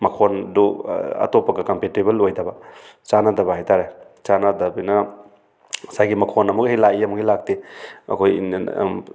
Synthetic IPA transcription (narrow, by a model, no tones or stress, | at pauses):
mɐkʰonduɐ̰topːɐɡɐkɐmpetebɐlojdɐbɐt͡ʃanadɐbɐhajtʰaɾe | t͡ʃanadɐbijnɐ | sajɡimɐkʰonɐmukhilaiɐmukhijlak̚tiɐ̰kʰoj̰